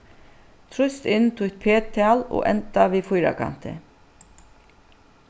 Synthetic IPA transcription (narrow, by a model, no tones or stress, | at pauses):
t̪ʰɾʊst̪ɪnːt̪ʰʊt̪̚pʰeːt̪ʰːɛalɔ̰ːʔɛ̰nt̪aʋiːfʊjɾa̰kʰa̰n̥t̪ɪ̰